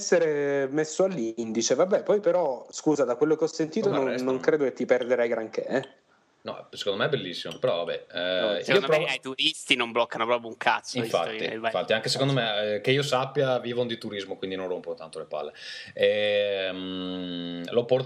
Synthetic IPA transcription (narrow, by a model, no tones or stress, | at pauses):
sːeɾemesːoalːind̪it͡ʃevabːɛpɔjpeɾɔskuːzad̪akwelːokeɔsːent̪iːt̪ononnːoŋkɾeːd̪oket̪ːiperd̪eɾɛjɡɾaŋkeɛ | nɔ̰ɛse̥kond̪omeɛbelːisːimopeɾɔvabɛ̰iiːopɾɔat̪uɾist̪inomblɔkːanopɾɔpɾjouŋkʰa̰t̪siɱfa̰tːḭ̃fat̪ːiaŋkesekond̪omek̟eiːosapːjaviːvond̪it̪uɾizmokwind̪inõnrompont̪ant̪olepa̰lːeɛm | lopɔr